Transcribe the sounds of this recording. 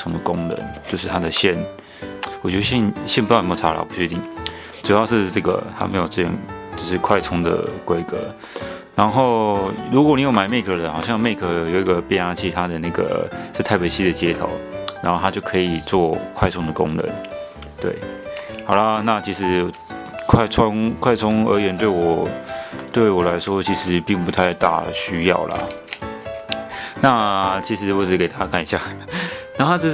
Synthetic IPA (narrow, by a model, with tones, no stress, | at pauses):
ʊ˥ŋd̪ə˨kʊ˥ŋnə̰˧˦nt͡ɕjo˥˧ʊʂɻ̩˥˩t̪ʰa˥d̪ə˨ɕjɛ˥˩n | wɔ˨˩t͡ɕɛ˥˧ɕɛ˥˩nɕjɛ˥˧npu˥˩˥mɔ˥˩a˧˥la̰˨˩pu˧˩t͡ɕʰɥɛ˧˥t̪i˥˩ŋ | ʈ͡ʂu˨˩jɑ˥˧ʊʂɻ̩˥˧ʈ͡ʂɤ˥˩ɡə̰˩t̪ʰa̰˥me˧˥ɪjo˨˩ʊʈ͡ʂɤ˥˧˩ɤ̰˨˩ŋt͡ɕo˥˧ʊʂɻ̩˥˧kʰwa˥˩ɪt͡sʰʊ˥ŋd̪ə̰˨˩kwe˥ɪkɤ̰˧˦ | na˧˥nxo˥˩ʊɻu˧˥kwɔ˧˥˦ni˨˥jo˧˩ma˨˩ɪme˥˩ɪkʰɤ˧˥lə˨xɑ˨˩ʊɕjɑ˥˧ŋme˥˩ɪkʰɤ˧˩jo˨˩ʊi˧˥ɡə˨pjɛ˥˧na˥t͡ɕʰi˥˩t̪ʰa˥d̪ə˨na˥˩ɡə̰˨˩ʂɻ̩˥˧t̪ʰa˥˩ɪpe˨˩ɪt͡ɕʰi˥d̪ə˨t͡ɕjɛ˥t̪ʰo̰˨˦ʊɻa˧˥nxo˥˧ʊa˥t͡ɕjo˥˩ʊkʰɤ˧˥i˨˩t͡swɔ˥˩kʰwa˥ɪt͡sʰʊ˥ŋd̪ə˨kʊ̰˥ŋnə̰˧˦n | t̪wḛ˥˩ɪxɑ˨˩ʊlɐ˧˦na˥˩t͡ɕʰi˧˥ʂɻ̩˧˥ | kʰwa˥˩ɪt͡sʰʊ˥ŋkʰwa˥ɪt͡sʰʊ˥ŋə̰˧˥jɥɛ˧˥nt̪we˥˩ɪwɔ˨˩ | t̪we˥˩ɪɪwɔ˨˩la˧˥ɪʂwɔ˥t͡ɕʰi˧˥ʂɻ̩˧˥pi˥˩ŋpu˧˥t̪ʰa˥˧ɪt̪a̰˥˩ɕy˥jɑ̰˥˩ʊlɐ̰˨˩ | na˥˧t͡ɕʰi˧˥ʂɻ̩˧˥wɔ˧˥ʈ͡ʂ̩˨˩˥ke˨˩t̪a˧˥t͡ɕja˥kʰa˥˩ni˧˥ɕja̰˥˩na˨˧˥a˥ʈ͡ʂ̩˥